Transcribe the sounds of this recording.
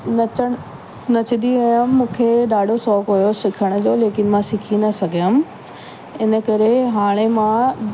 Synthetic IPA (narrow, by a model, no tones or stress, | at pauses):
nɐt͡ɕəɽ̃ | nɐt͡ɕɪd̪iʋɐjəmːũːkʰeɗaːɖʱosɔːkɦujosɪkʰəɽ̃ʊ̆d͡ʑoːleːkɪnmãsɪkʰinɐsɐɡʱijəm | ɪnə̆kɐɾeɦaːɽ̃emã